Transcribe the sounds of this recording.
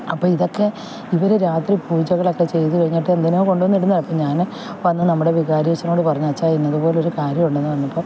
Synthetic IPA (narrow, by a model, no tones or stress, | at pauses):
ɐpːo̞ːiðo̞kːe̞ | iʋɐɾeɾaːt̪ripuːd͡ʑɐɣɐɭo̞kːe̞t͡ɕe̞jt̪ɨkɐɻiɲːiʈːɨend̪inoːko̞ɳɖuonːiɽunːɐɭɐpːɐɲaːn | ʋɐnːɨnɐmːuɽe̞ʋiɣaːɾiʋɐt͡ɕːɐno̞ːɽɨpɐrɐɲːuɐt͡ɕːaːinːɐðupoːleo̞ɾukaːɾjɐmuɳɖenːɨʋɐnːɐpːo̞ː